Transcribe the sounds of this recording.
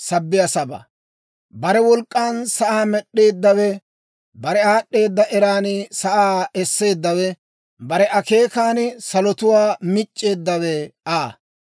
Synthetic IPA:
sɐbːɪjɐsɐbɐ̰ | bɐɾɛwɔlkʼːaːnsɐʔaːmɛɗːe̞ːd̪ːɐwɛ | bɐɾɛaːɗːe̞ːd̪ːɐʔɛɾaːnsɐʔaːɛsːe̞ːd̪ːɐwɛ | bɐɾɛʔɐke̞ːkaːnɪsɐlɔt̪ʊwaːmɪt͡ʃʼːe̞ːd̪ːɐwɛaː

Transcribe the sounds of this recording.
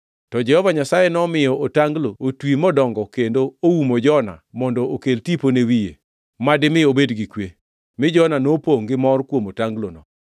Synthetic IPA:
tɔd͡ʒɛhɔvaɲasajenɔmɪjɔotaŋɡlootwimɔdɔŋɡɔkendoowumod͡ʒɔna̰mɔndɔokeltiponewijḛ | madɪmɪobedɡikwe | mɪd͡ʒɔnanopoŋɡɪmɔrkwomotaŋɡlonɔ̰

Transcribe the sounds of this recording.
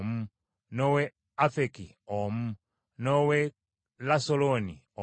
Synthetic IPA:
m̩ | nowe | afeki | om̩ | nowe | lasoloni | o

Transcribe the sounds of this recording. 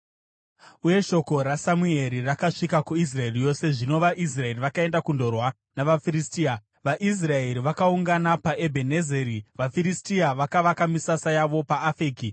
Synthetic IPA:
uje̞ʃo̞ko̞ɾasamue̞ɾirakaʂikakuis̬rae̞rijo̞se̞ʐino̞ʋaʔis̬rae̞riʋakae̞ndakundo̞rwa | naʋafiɾistiːa | ʋaʔis̬rae̞ɾiʋakauŋɡanapaʔe̞bʱenezeɾiʋafiɾistiaʋakaʋakamisasajaʋo̞paːfiːki

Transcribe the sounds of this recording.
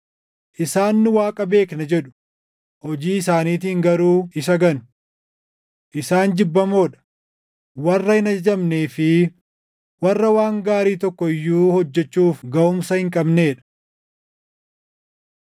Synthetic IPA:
ʔɪsaːnːʊwaːkʼɐbe̞ːknɐd͡ʒɛᶑʊ̥ | hɔd͡ʒiːɪsaːniːt̪iːŋɡɐɾuːɪsɐɡɐnʊ̥ | ʔɪsaːnd͡ʒɪbːɐmo̞ːᶑɐ̥ | wɐrːɐhɪnɐd͡ʒɐd͡ʒɐmneːfɪ | wɐrːɐwaːŋɡaːɾiːt̪ɔkːɔɪjːuːhɔd͡ʒːɛt͡ʃːuːfɡɐʔʊmsɐhɪŋkʼɐbneːᶑɐ̥

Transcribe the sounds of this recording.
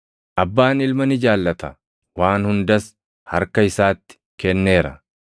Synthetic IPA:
ʔɐbːaːnɪlmɐnɪd͡ʒaːlːɐt̪ɐ | waːnhʊnd̪ɐs | hɐɾkɐɪsaːt̪ːɪ̥kɛnːe̞ːɾɐ

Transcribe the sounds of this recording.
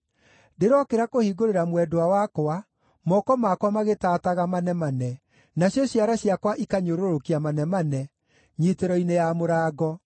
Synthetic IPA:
deɾɔkeɾakohiːɡoɾeɾamwɛdoawakoa | mɔkɔmakwamaɣetataɣamanɛmanɛ | naɕjɔɕjaɾaɕjakwaʔikaɲoɾoɾokiamanɛmanɛ | ɲiteɾɔinejamoɾaːɡɔ

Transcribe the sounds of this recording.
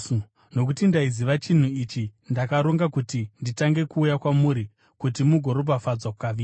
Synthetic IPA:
no̞k̬utindaiziʋat͡ʃin̤uit͡ʃindakaɾoŋɡakutinditaŋɡe̞kuːjakwamuːɾi | kutimuɡʱo̞ɾobafad͡zwakukaʋiː

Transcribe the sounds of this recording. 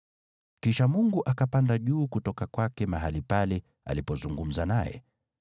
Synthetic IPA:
kiʃamuŋɡuʔakapandaʄuːkutɔkakwakɛmaɦalipalɛ | a̰lipɔzuŋɡum̩zanajɛ̰

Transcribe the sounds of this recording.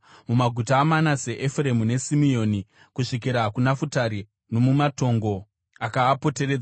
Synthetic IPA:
mumaɡʱutaːmanase̞ʔefure̞mune̞simio̞ni | kuʂik̬iɾakunafutaɾi | no̞mumato̞ŋɡo̞ | akaːpo̞te̞ɾed͡za

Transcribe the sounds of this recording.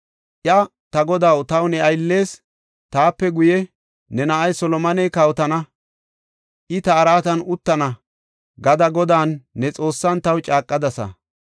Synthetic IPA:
ʔjɐ | t̪ɐɡɔd̪awt̪ɐwnɛɐjlːe̞ːs | t̪aːpːɛɡʊjɛ | nɛnɐʔɐjsɔlɔmɐnɛjkɐwt̪ɐnɐ | ʔɪt̪ɐːɾaːt̪ɐnʊt̪ːɐnɐ | ɡɐd̪ɐɡɔd̪aːnːɛt͡sʼo̞ːsːɐnt̪ɐwt͡ʃʼaːkʼːɐd̪ɐsɐ̰

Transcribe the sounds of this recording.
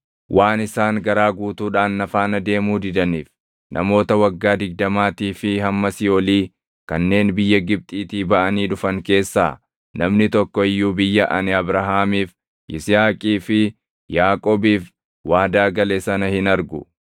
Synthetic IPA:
wʔaːnɪsaːŋɡɐɾaːɡuːt̪uːᶑaːnːɐfaːnɐd̪e̞ːmuːd̪ɪd̪ɐniːf | nʔɐ̰mo̞ːt̪ɐwɐɡːaːd̪ɪɡ̚d̪ɐmaːt̪iːfɪhɐmːɐsɪjoːliː | kɐnːe̞ːnbɪjːɐɡɪb̚t̪ʼiːt̪iːbɐʔɐniːᶑʊfɐŋke̞ːsːa̰ː | nɐmnɪt̪ɔkːɔɪjːuːbɪjːɐʔɐnɪɐbɾɐɦaːmiːf | ʔɪsɪjaːkʼiːfɪ | jaːkʼoːbiːf | waːd̪aːɡɐleːsɐnɐhɪnɐɾɡʊ

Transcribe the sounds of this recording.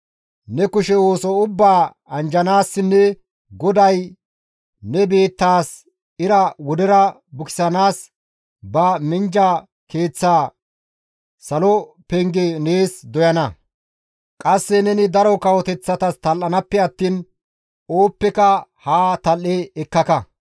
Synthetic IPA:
nɛkʊʃɛwo̞ːsɔʊbːaː | ɐnd͡ʒɐnaːsːɪnːɛ | ɡɔd̪ɐj | nɛbe̞ːt̪ːaːs | ɪɾɐwɔd̪ɛɾɐbʊkɪ̥sɐnaːs | bɐmɪnd͡ʒɐ | ke̞ːt͡sːaː | sɐlɔ | pɛŋɡɛneːsd̪ɔjɐnɐ | kʼɐsːɛnɛnɪd̪ɐɾɔkɐwɔt̪ɛt͡sːɐt̪ɐst̪ɐlːɐnɐpːɛɐt̪ːiːn | oːpːɛkɐhaːt̪ɐlːɛɛkːɐkɐ

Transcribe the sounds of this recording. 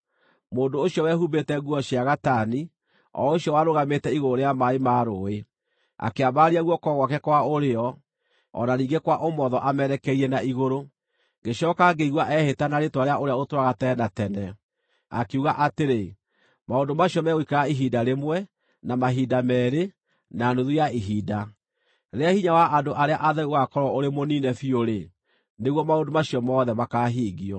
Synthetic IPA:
moːndoːɕjɔwɛɦubetɛɣuɔɕiaɣatani | ɔ̰oɕjɔwaɾoɣametɛiɣoɾoɾeamaemaɾoe | a̰keabaɾiaɣwɔkɔɣwakɛkwaoɾeɔ | ɔ̰naniːŋɡekwaʔomɔðɔʔamɛɾɛkɛiɛnaiɣoɾo | ŋɡeɕɔːkaɡeiɣwaʔɛhetanaɾetwaɾeaʔoɾeaotwaɣatɛnatɛnɛ | a̰keuɣaʔateɾe | maondomaɕjɔmɛɣikaɣaiɦidaɾemwɛ | namaɦidamɛːɾe | naːnoðujaiɦiːda | ɾeahiɲawaʔandoʔaɾeaʔaðɛuɣakɔɾɔoɾemoniːnɛfioɾe | neɣwɔmaondomaɕijɔmɔːðɛmakaːɦiːɣiɔ

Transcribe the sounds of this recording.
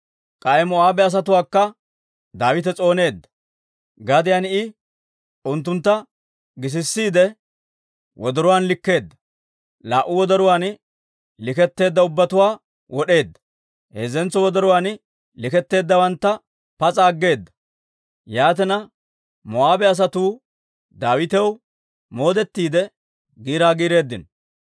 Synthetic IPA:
kʼɐjɛmɔaːbɛɐs̬ɐt̪ʊwaːkːɐ | d̪aːwɪt̪ɛt͡sʼo̞ːne̞ːd̪ːɐ̥ | ɡɐd̪ɪjanɪ | ʔʊnt̪ːʊnt̪ːɐ | ɡɪs̬ɪsːiːd̪ɛ | wɔd̪ɔɾʊwaːnlɪkːe̞ːd̪ːɐ̥ | laːʔːʊwɔd̪ɐɾʊwaːn | lɪkɛt̪ːe̞ːd̪ːɐʊbːɐt̪ʊwaː | wɔɗe̞ːd̪ːɐ̥ | heːzɛnt͡sːɔwɔd̪ɐɾʊwaːn | lɪkɛt̪ːe̞ːd̪ːɐwɐnt̪ːɐ | pɐt͡sʼaːɡːe̞ːd̪ːɐ̥ | jaːt̪ɛnɐ | mɔaːbɛɐs̬ɐt̪uː | d̪aːwɪt̪ɛw | mo̞ːd̪ɛt̪ːiːd̪ɛ | ɡiːɾaːɡiːɾe̞ːd̪ːɪn

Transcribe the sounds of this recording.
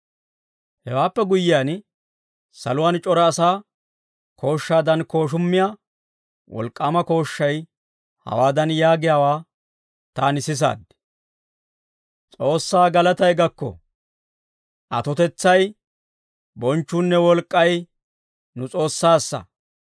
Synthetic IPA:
hɛwaːpːɛɡʊjɪjaːn | sɐ̰lʊwant͡ʃʼɔɾɐːsaː | kʰo̞ːʃːaːd̪ɐnko̞ːʃ̬ʊmːɪja | wʔɔ̰lkʼːaːmɐko̞ːʃːɐj | hɐ̰waːd̪ɐnjaːɡɪjaːwaː | t̪aːnɪsɪs̬a̰ːd̪ | t͡sʼo̞ːsːaːɡɐlɐt̪ɐjɡɐkːɔ̰ | ʔɐt̪ɔt̪ɛt͡sːɐj | bɔnt͡ʃːuːnːɛwɔlkʼːɐj | nʊt͡sʼo̞ːsːaːsːɐ̰

